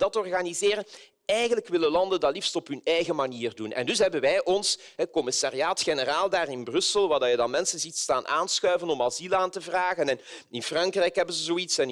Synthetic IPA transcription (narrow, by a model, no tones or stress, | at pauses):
d̥ɑtɔrɣanizɪːrən | ɛjɣənləkʋɪləlɑndəndɑlifstɔpɦɵnɛjɣəmaniːrdunɛ̰ndɵsɦɛbənʋɛjʔɔns | ɦɛkɔmɪsaːriaːtxenəraːlˠdaːrɪnbrɵsəlˠʋaːrdɑjədɑnmɛnsənzitstaːnʔa̰ːnsxœːɥvənɔmɑzilaːntəvraːɣənɛn | ɪnfrɑŋkrɛjkɦɛbənzəzoːitsɛn